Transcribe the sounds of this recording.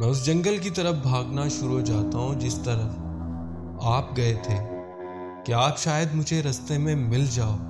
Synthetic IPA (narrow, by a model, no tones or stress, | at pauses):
mɛ̃ːʊs̬d͡ʒɐ̃ŋɡəlk̬it̪ɐɾəfbʱaːɡnaʃʊɾud͡ʒaːt̪aɦũd͡ʒɪst̪ɐɾəf | aːpɡɐet̪ʰeː | keaːpʃaːjəd̪mʊd͡ʒʱeɾɐst̪emẽmɪld͡ʒaːoː